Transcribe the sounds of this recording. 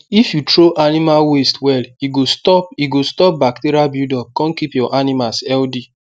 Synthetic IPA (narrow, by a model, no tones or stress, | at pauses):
ifjutɾoʔanimalwestwɛliɡostɔp̚iɡostɔp̚bakteɾiabjudɔkɔ̃nkipjɔʔanimasɛldi